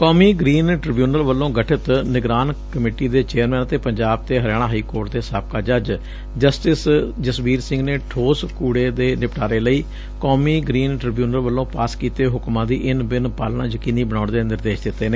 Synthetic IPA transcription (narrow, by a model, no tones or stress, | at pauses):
kɔːmiːɡɾiːnʈɾɪbjuːnəɾʋəlːõːɡəʈʰɪt̪nɪɡɾaːnkəmeːʈiːd̪eːt͡ʃeːəɾmɛ̃ːnət̪eːpəɲd͡ʒaːb̚t̪eːɦəɾjaːɽ̃ãːɦəiːkoːɾʈd̪eːsaːb̚kaːd͡ʒəd͡ʒ | d͡ʒəsʈɪsd͡ʒəsbiːɾsɪ̃ŋɡneːʈʰoːskuːɽeːd̪eːnɪpʈʰaːɾeːləiː | kɔːmiːɡɾiːnʈɾɪbjuːnəɾʋəlːõːpaːskiːt̪eːɦʊkmãːd̪ḭːʔɪnbɪnpaːlnãːd͡ʒəkiːniːbəɽaːʊɳd̪eːnɪɾd̪eːʃd̪ɪt̪ːeːneː